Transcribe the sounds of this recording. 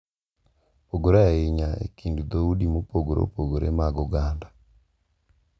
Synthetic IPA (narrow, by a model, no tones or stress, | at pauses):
poɡoɾaiɲaḛkiːndud̪oudimupoɡoɾo̰poɡoɾḛmaɡoɡaːnda